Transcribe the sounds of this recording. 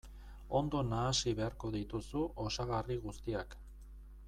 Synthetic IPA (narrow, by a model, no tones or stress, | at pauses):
o̞nd̪o̞naːsiβe̞aɾko̞ð̞it̪usuʔo̞saɣariɣust̪iak